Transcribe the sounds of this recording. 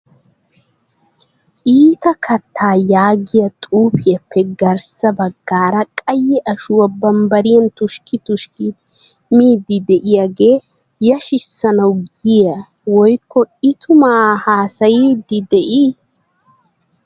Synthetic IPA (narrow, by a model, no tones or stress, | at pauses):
ʔiːt̪ɐkʰɐt̪ʰːaːjaːɡɪjɐt̪ʼuːpɪjɐpːɛɡɐɾsɐbɐɡːaːɾɐkʼɐjːɛʔɐʃʊwɐbɐmbɐɾɪjɐnt̪ʊʃkɪt̪ʊʃkʰi | miːd̪ːɪd̪ɛʔɪjaɡe̞ː | jɐʃɪsːɐnɐwɡɪja | wɔjkːɔɪt̪ʰʊmaːhaːsɐjiːd̪ɪd̪ɛʔiː